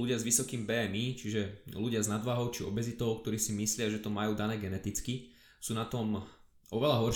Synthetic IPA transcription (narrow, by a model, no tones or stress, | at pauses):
luɟɪazʋisɔkiːmbɛmit͡ʃiʒɛluɟɪaznad̪ʋaɦɔʊt͡ʃiɔ̰bɛzit̪ɔʊk̚t̪ɔɾiːsimislɪaʒɛt̪ɔmajuːd̪anɛːɡɛnɛt̪it͡ski | suːnat̪ɔm | ʔɔʋɛlaɦɔɾ